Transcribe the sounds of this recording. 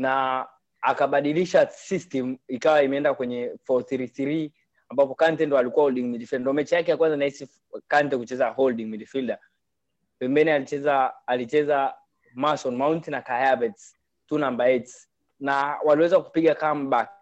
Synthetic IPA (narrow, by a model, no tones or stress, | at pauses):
naː | kaɓaɗiliʃasistɛm̩ikawaimɛɛndakwɛɲɛfɔθiɾiθiɾi | ambapɔkantɛndɔalikuwahɔlɗiŋmiɗifildandɔmɛt͡ʃijakɛjakwanzanaisi | kantɛkut͡ʃɛzahɔlɗiŋmiɗifilda | pɛmbɛniaɛzaːlit͡ʃɛza | masɔnmauntinakajavɛts | tunambaɛts | nawaliwɛzaku̥piɠakamɓaki̥